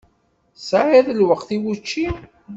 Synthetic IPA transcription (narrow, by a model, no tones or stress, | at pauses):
saʕæðəlwəqθiwut͡ʃːi